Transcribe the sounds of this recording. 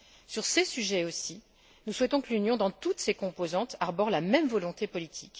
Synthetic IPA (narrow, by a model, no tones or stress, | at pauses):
syʁsesyʒɛosi | nuswɛt̪ɔ̃kəlynjɔ̃d̪ɑ̃t̪ut̪sekɔ̃pozɑ̃t̪aʁbɔʁlamɛmvɔlɔ̃t̪epɔlit̪ʰikʲ